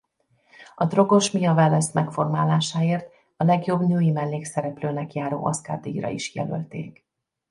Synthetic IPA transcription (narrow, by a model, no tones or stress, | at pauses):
ɒd̪ro̞ɡo̞ʃmijɒvalɛst̪mɛkfo̞rmaːlaːʃaːeːrt̪ | ɒlɛɡjo̞bnuːjimɛlːeːksɛɾɛpløːnɛkjaːɾo̰ːʔɒska̰ːd̪iiɾɒ̰iʃjɛ̰lø̰lt̪ḛːk